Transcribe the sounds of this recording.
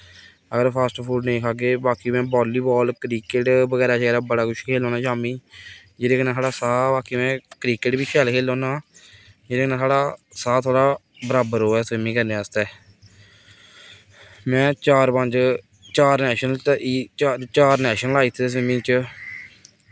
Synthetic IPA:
əɡəɾpʰaːsʈpʰuːɖnẽiːkʰaːɡeːbaːkiːmɛ̃ːbɔːliːbɔːlkɾiːkeʈbəɡɛːɾaːt͡ʃɡɛːɾaːbəɽaːkʰʊʃʰkʰeːlõːnaːt͡ʃaːmiːd͡ʒeːɾeːkənãːt̪ʰaːɽaːsaːbaːkiːmɛ̃ːkɾiːkeːʈbiːkʰɛːlkʰeːlõːnaː | d͡ʒeːɾeːkənãːsaːɽaːsaːt̪ʰoːɽaː | bəɾaːbəɾɦoːɛːsʋɪmĩːkəɾneːəst̪ɛː | mɛ̃ːt͡ʃaːɾpəɲd͡ʒ | t͡ʃaːɾnɛːʃənəlː | t͡ʃaːɾnɛːʃənəlaːiːt̪ʰːes̬ɪmĩːt͡ʃ

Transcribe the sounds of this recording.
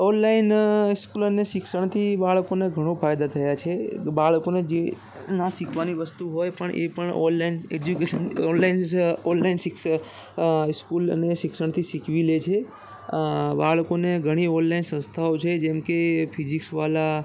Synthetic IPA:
ɔnlaɪnɪskuləneʃɪksəɳ̃t̪ʰibaɭkoneɡʱəɽ̃õpʰajd̪at̪ʰəjat͡ʃʰebaɭkoned͡ʒe | nasɪkʰʋaniʋəst̪uɦojpəɳʔḛpəɳɔ̰nlained͡ʒukeʃənɔnlaɪnɔnlainsɪk | ɪskulə̰neʃɪksəɽ̃t̪ʰisikʋilet͡ʃʰe | baɭkoneɡʱəɽ̃iɔnlainsə̃nst̪ʰaot͡ʃʰed͡ʒẽmkepʰid͡ʒiksʋala

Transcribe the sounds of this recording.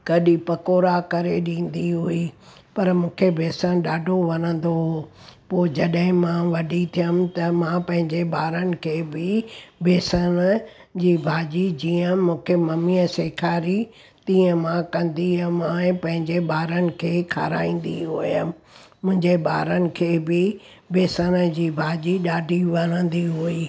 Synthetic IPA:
ɡ̥ɐɗipɐkoːɾakɐɾeɗĩːnd̪iɦui | pɐɾmũːkʰebʱeːsəɽ̃ɗaːɖʱoʋɐnə̃n̆d̪oɦopoːd͡ʑɐɗɦɪ̃mãʋɐɖʱit̪ʰijəmɪt̪ɐmãpɐ̃ɦɪ̃ɲd͡ʑeɓaːɾənɪ̆kʰeːbɪbʱeːsəñd͡ʑiːbʱaːd͡ʑid͡ʑiːə̃mũːkʰemɐmiːəseːkʰaːɾi | t̪ĩːə̃mãkɐ̃nd̪iəmãẽpɐ̃ɦɪ̃ɲd͡ʑeɓaːɾənɪ̆kʰeːkʰa̰ːɾa̰ːĩːn̆d̪iɦujəm | mʊ̃ɦɪ̃ɲd͡ʑeɓa̰ːɾənɪ̆kʰeːbɪ | beːsəñə̆d͡ʑiːbʱaːd͡ʑiɗaːɖʱiʋɐnə̃n̆d̪iɦuiː

